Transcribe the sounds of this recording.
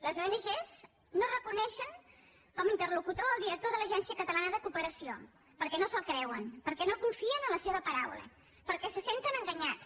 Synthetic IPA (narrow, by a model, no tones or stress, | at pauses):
ləzoenəʒez | norəkunɛʃəŋ | kɔməint̪ərlukut̪oːlˠd̪iɾək̚t̪oðələʒɛnsiəkət̪əlanəðəkupəɾəsio̰ | pəɾkɛnosəlˠkɾɛwənpəɾkɛnokuɱfiənənləseβ̞əpəɾawlə̰ | pəɾkɛsəsent̪ənəŋɡəɲat͡s